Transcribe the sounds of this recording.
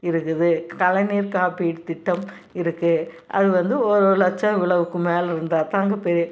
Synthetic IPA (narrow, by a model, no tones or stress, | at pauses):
ɪɾɯkːɯðɯkɐlɐniːɾkaːpiːʈɯt̪ɪʈːɐm | ɪɾɯkːɯ | ʔɐ̰ðɯʋɐnd̪ɯɔɾɯlɐt͡ʃːɐ̃ʋɪɭɐʋɯkːɯmeːlɾɯnd̪aːt̪aːŋɡɐpɛɾi